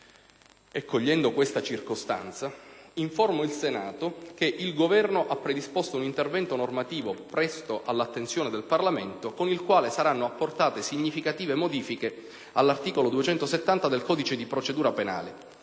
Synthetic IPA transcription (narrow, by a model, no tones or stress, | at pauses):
ekːoʎːɛnd̪okwest̪at͡ʃirkost̪a̰nt̪saiɱformoilsenaːt̪okeʔilɡovɛrnoʔapːɾed̪ispost̪ounint̪ervɛnt̪onormat̪iːvopɾɛst̪oʔalːat̪ːensjoːned̪elparlament̪okonilkwaːlesaɾanːoapːort̪aːt̪esiɲːifikat̪iːvemod̪iːfike | alːart̪iːkolod̪uet͡ʃɛnt̪oset̪ːant̪ad̪elkɔːd̪it͡ʃed̪ipɾot͡ʃed̪uːɾapena̰ːle